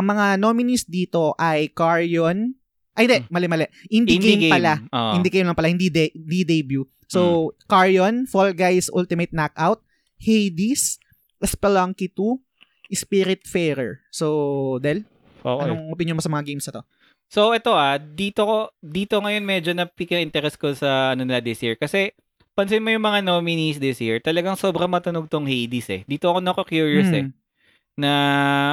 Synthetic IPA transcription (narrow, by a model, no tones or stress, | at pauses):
ʔɐŋmɐŋanomɪnisd̪iːt̪o̞ʔɐjkaɹjon | ʔɐhɪ̃nd̪ɛmɐlɛmɐlɛʔʔɪnd̪inɡemɡpɐlaoʔɪnd̪ikɐjnlɐŋpɐlahɪnd̪id̪ɛd̪id̪ɛjbju | sokaɹjonfolɡajsʔṵlt̪ɪmɛt̪̚nak̚ʔawt̪̚ | hejd̪is | ʔɛspɛlaŋkit̪u | ʔɪspiɾɪt̪̚fɛɾɛ̰ɹsod̪ɛl | ʔo̰kɐoŋʔopɪnjonmosɐmɐŋaɡejmsɐt̪o̞ | soɛt̪o̞ʔad̪iːt̪okod̪iːt̪o̞ŋɐjo̞nmɛd͡ʒonɐpikɪʔɪnt̪ɛɾɛskosɐɐnonɪlɐd̪ɪsjiɹkɐsɛ | pɐnsɪnmojʊŋmɐŋanoːmɪnisd̪ɪsjiɹt̪ɐlɐɡaŋso̞ːbɾɐŋmɐt̪ɐnoɡ̚t̪oŋhejd̪isɛ̰d̪iːt̪oɐkonɐkokjuɹjʊsɛ̰ | nɐ